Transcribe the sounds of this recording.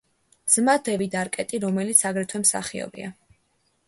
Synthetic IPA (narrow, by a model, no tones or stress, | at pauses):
z̥mad̪ɛvid̪aɾkʼɛt̪ʼiɾɔmɛlit̪sʰaɡɾɛt̪ʰwɛmsa̰χiɔ̰bḭa̰